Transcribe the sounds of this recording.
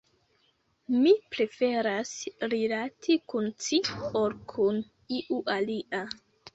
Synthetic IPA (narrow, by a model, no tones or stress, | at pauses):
mipɾe̞fe̞ɾasɾilatʰikunt͡sioɾkʰun | iʔuʔaliʔa